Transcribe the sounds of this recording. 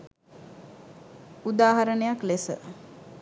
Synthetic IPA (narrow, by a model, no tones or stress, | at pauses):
ud̪aːɦaɾənəjaklesə